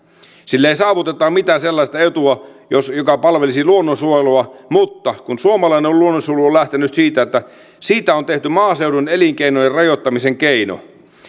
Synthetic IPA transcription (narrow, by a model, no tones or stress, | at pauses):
silːeisɑːʋut̪et̪ːˑɑːmit̪æːselːɑist̪ɑet̪uɑjosjokɑpɑlʋelisiluonːonsuojeluɑmut̪ːɑkunsuomɑlɑineoluonːosuoluolæht̪enyt̪siːt̪æet̪ːæ | siːt̪æont̪eht̪ymɑːseuduneliŋkeinojerɑjot̪ːɑmiseŋkeino̰